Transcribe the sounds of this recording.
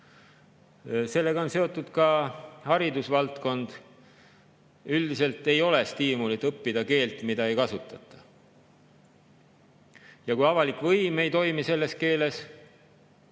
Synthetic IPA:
se̞lːe̞ɡɑo̞nse̞o̞t̪ːˑud̪̥kɑhɑɾid̪usvɑlt̪ko̞nd̪̥ | yld̪ise̞lt̪ːe̞jo̞le̞st̪iːmulit̪ːˑɤpːid̪̥ɑke̞ːlt̪ːˑmid̪ɑejkɑsut̪ːˑɑt̪ːˑɑ | jɑkujɑvɑlikːˑvɤjme̞jt̪o̞jmise̞lːe̞ske̞ːle̞s

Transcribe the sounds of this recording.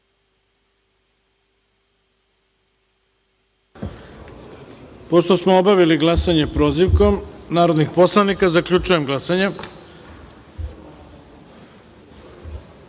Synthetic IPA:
po̞ʃt̪o̞smoobaʋiliɡlˠasaɲepɾoːziʋko̞mnaːɾod̪nixpo̞slˠanikazakʎʲut͡ʃuje̞mɡlˠasaɲe

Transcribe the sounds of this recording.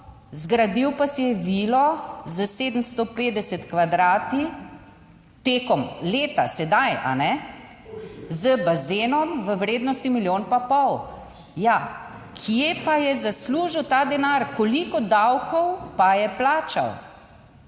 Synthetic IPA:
zɡɾad̪iwpasɛjɛʋiːlɔzəseːd̪əmst̪opeːd̪ɛsɛt̪kʋad̪ɾaːt̪i | t̪ekɔmleːt̪a̰sɛd̪aja̰nɛ | zəbazeːnɔmʋəwɾeːd̪nɔst̪imiljoːnpapɔw | ja | kʰijepajɛzasluːʒiwt̪aːd̪ɛnaɾkɔlikɔd̪awkʰɔwpajɛplaːt͡ʃa̰w

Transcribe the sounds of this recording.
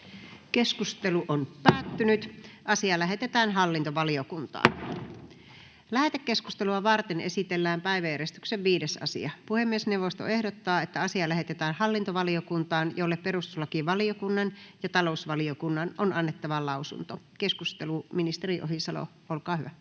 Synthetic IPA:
keskust̪eluʔonpæːt̪ːynyt̪ʔɑsiɑlæɦet̪et̪æːnɦɑlːint̪oʋɑliokunt̪ɑ̰ːn | læht̪ekːesku̥st̪eluɑʋɑrt̪enesit̪elːæːmpæiʋæjæɾest̪ykseʋʋiːdesɑ̰sḭɑpuhemːiesnewʋost̪oehdot̪ːɑːet̪ːæɑsiɑlæɦet̪et̪æːnhɑlːint̪oʋɑliokunt̪ɑːnjolːeppeɾust̪ulːɑkiʋɑliokunːɑnjɑt̪ɑlousʋɑliokunːɑnonɑnːet̪ːɑʋɑlɑusṵnt̪okeskust̪eluminist̪eriʔoɦhisɑlo̰ | olkɑːhyʋæ

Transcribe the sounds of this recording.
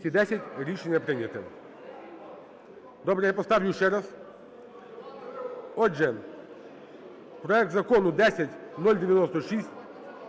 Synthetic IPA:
t̪ʲid̪ɛsʲɪtʲɾʲiʂɛnʲɪjɐpɾɪnʲɛt̪ɛ | d̪ɔbɾɛjapɔst̪avʲjʊʃɛɾas | ɔʐɛ | pɾɔɛk̚t̪zɐkɔnʊd̪ɛsʲatʲnɔlʲdʲɪʋʲɪnɔst̪ɔʂisʲtʲ

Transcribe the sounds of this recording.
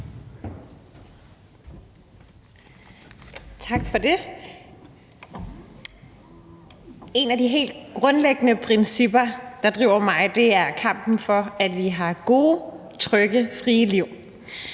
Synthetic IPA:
t͡sʰɑ̈ɡ̥fɒ̽d̥e̝ | e̝næd̥iɦe̝̰ːld̥̚ɡ̥ʁɔ̽nleɡ̥ənəpʰʁɛnsib̥ɐd̥ɑ̈d̥ʁiʊ̰ɐmɑ̈ɪd̥e̝æɐkʰɑ̈m̰b̥n̩fɒ̽æd̥ʋiɦɑ̈ɡ̥o̝ː | t͡sʰʁœɡ̥əfʁiːəliʊ̰

